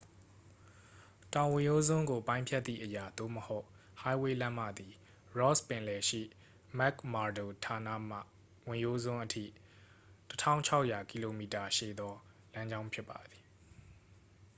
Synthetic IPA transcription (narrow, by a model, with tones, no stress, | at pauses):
tã˨ʊ̃wɪ̃˨jo˦zõ˦ŋɡo˨pã˦ɪ̃mpʰjɛ˦t̪̚θḭ˦˨ʔəja˨d̪̥o̰˦˨məho˦ʊʔ | ha˦ɪwe˦lã˦m̥a̰˦˨d̪i˨ | ɹɔ˦spɪ̃˨lɛ˨ʃḭ˦˨ | mɛ˦kma˨do˨tʰa˨na̰˦˨m̥a̰˦˨ | wɪ̃˨jo˦zõ˦ʔətʰḭ˦˨ | tətʰã̰˦˨ʊ̃ɲt͡ɕʰa˦ʊʔja˨ki˨lo˨mi˨ta˨ʃḛ˦˨d̪ɔ˦ | lã˦ɲd͡ʑã˦ʊ̃mpʰjɪ˦pːa˨d̪i˨